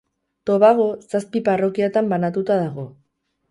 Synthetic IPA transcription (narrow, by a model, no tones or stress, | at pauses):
t̪o̞βaɣ̞o̞saspiparo̞kiet̪ambanat̪ut̪aðaɣ̞o̞